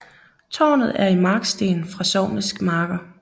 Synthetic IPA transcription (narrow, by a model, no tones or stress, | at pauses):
t͡sʰɒ̰ːnð̩ˠæɐimɑ̈ːɡ̥sd̥e̝̰ːn̩fʁɑ̈sɒːmisɡ̥mɑ̈ːɡ̥ɐ